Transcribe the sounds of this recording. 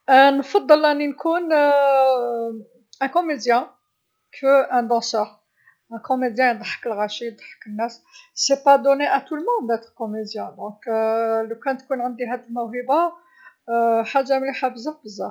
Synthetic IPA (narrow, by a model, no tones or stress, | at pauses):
nfɑd̪ˤːəlʔənːinkun | ʔæ̃komed̪jæ̃ | kʰəʔæ̃d̪ɑ̃səʁ | ʔæ̃komed̪jæ̃jd̪ˤħə̥kəlɣæʃijd̪ˤə̥ħə̥kənːæssepad̪oneʔæt̪ulmɔ̃d̪æt̪ʁkomed̪jæ̃d̪ɔ̃kləkænt̪kunʕand̪iɦæd̪əlmæɦiba | ħaʒːamliħabəzabəzːa